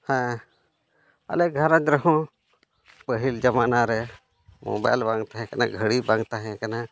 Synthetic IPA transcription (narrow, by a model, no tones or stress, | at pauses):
hɛ̃ | a̰lɛɡʱaɾad͡ʒɾəɦɔ̃ | pəɦild͡ʒamaʔnaɾɛ | mɔ̰bajlbaŋt̪aɦɛ̃kana̰ɡʱəɽibaŋt̪aɦɛ̃kana